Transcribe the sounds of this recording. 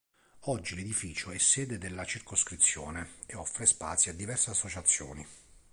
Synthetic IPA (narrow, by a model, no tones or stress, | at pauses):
ɔd͡ʒːiled̪ifiːt͡ʃoɛsːɛːd̪ed̪elːat͡ʃirkoskɾit̪sːjɔ̰ːneeɔfːɾespa̰t̪sjiad̪ːivɛrseasːot͡ʃat̪sːjɔ̰ːni